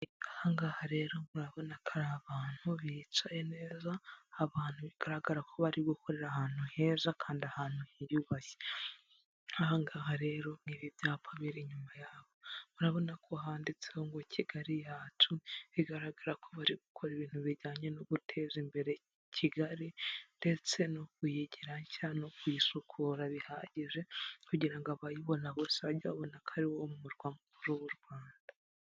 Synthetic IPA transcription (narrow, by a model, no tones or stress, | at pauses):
ahaŋɡahaɾe̞ːɾo̞muɾaβo̞nakʰaɾaβaːn̥huβit͡ʃajene̞ːzaːβaːn̥huβiɡ̥aɾaɡaɾakʰo̞βaɾiɡukʰo̞ɾe̞ɾahaːn̥uhe̞ːzakʰaːndiahaːn̥huhijjuːβaçe̥ | ahaŋɡaːɦaɾe̞ɾo̞ŋiβibjaːpʰaβiɾiɲumajaːβo̞muɾaβo̞nakʰo̞ɦaːndit͡seoŋɡocʰiɡaɾijaːtʰuiɡaɾaɡaɾakʰo̞βaɾiɡukʰo̞ɾiβiːn̥huβiɾɟaːɲe̞noβutʰe̞zimbe̞ɾe̞ | cʰiɡaɾinde̞t͡se̞nokujiɟiɾaɲcanokwiisukʰuɾaβihaɟiʒe̞kuɟiɾaŋɡoaβajiβo̞naβosaɟaβonakʰaɾiwomumuɾɡwaːŋɡukuɾuwuɾɡwaːnda